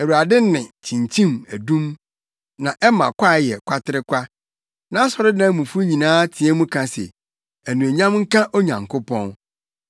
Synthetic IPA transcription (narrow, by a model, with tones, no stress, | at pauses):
æ˨wu˨ɾa˨dɪ˦nɪ̃˨t͡ɕʰĩ˨ɲt͡ɕʰĩ˦mæ˨dũ˦m | nã˨ʔɛ˦mã̰˨kʷʰa˦˨jɛ˨kʷʰa˦tʰɪ˦ɾɪ˦kʷʰa˦ | nã˦a˦sɔ˨ɾɪ˦nã˦mũ˨fu˦ɲĩ˨nãː˦tʰi˨˦ɛ˦mũ˦kʰã˨sɛ̰˨ | æ˨nũ˨æ˨ɲã˦mŋ̩˦kã˦ʔo˦ɲã̰˨ŋkʰʊ˦pʰɔ̰̃˦n